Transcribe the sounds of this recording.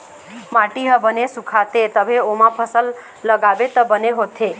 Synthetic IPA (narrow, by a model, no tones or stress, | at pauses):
mãʈiɦəbənesukʰat̪et̪əbʱeomãpʰəsəlː | əɡaʋet̪əbəneɦot̪ʰe